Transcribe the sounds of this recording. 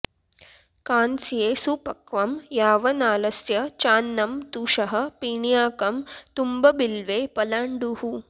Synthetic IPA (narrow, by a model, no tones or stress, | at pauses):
kaːnsjeːsupɐkʋɐmjaːʋɐnaːlɐsjɐt͡ʃaːnːɐmt̪uːʂɐɦɐ̆piːɳjaːkɐmt̪umbɐbilʋeːpɐlaːɳɖuhu